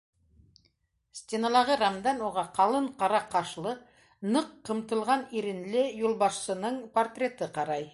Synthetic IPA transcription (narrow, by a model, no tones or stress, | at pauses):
st̪ʲenɑlˠɑʁəɾamd̪ɑnwo̞ʁɑqʰɑlˠəɴqʰɑɾɑqʰɑʃlˠə | nəqʰːəmt̪əlˠʁɑniɾɪnlejolˠbɑʃsənəɴpʰo̞rt̪rʲe̞t̪əqʰɑɾɑj